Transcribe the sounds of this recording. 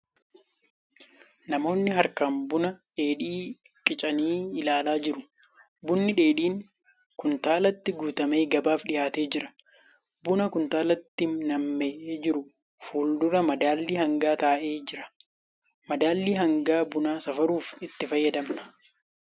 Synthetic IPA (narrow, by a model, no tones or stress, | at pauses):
nɐmo̞ːnːɪɦɐɾkaːmbʊnɐᶑe̞ːᶑiː | kʼɪt͡ʃʼɐniːɪlaːlaːd͡ʒɪɾʊ | bʊnːɪᶑe̞ːᶑiːŋ | kʊnt̪aːlɐt̪ːɪɡuːt̪ɐme̞ːɡɐbaːfɗɪʔaːt̪e̞ːd͡ʒɪɾɐ̥ | bʊnɐkʊnt̪aːlɐt̪ːɪnɐmːeːʔeːd͡ʒɪɾʊ | fuːld̪ʊɾɐmɐd̪aːlːiːhɐŋɡaːt̪aːʔe̞ːd͡ʒɪɾɐ̥ | mɐd̪aːlːiːɦɐŋɡaːbʊnaːsɐfɐɾuːfɪt̪ːɪfɐjːɐd̪ɐmnɐ̥